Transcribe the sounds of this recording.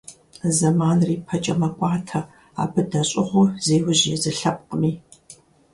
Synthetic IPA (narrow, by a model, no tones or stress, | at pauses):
zɐmaːnriːpʰɐt͡ʃʼɐmɐkʷʼɑːtʰɐ | a̰ːbɨdɐɕʼɪʁʷʊzeːwʊʑezɨɬɐp̚qəmiː